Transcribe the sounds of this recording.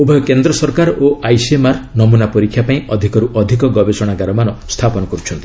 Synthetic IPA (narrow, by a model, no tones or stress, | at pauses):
ubʱɔjɔkend̪ɾɔsɔɾkaɾoajsiemaɾnɔmunapɔɾikʰːjapaĩɔd̪ʱikɔɾuʔɔd̪ʱikɔɡɔbesɔɽ̃aɡaɾɔmanɔst̪ʰapɔnɔkɔɾut͡ʃʰɔnt̪i